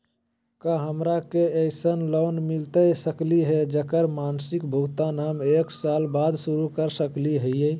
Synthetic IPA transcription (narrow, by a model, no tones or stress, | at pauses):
kaɦəmɾakeəɪsənlonmilt̪əsəkliɦed͡ʒəkəɾmansikbʱuɡt̪anameksalbad̪suɾukəɾsəkliɦəɛ